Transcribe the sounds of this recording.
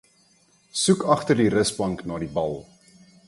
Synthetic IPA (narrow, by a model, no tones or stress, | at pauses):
sukɐχtərdiɾəsbɐŋknɑːdibɐlˠ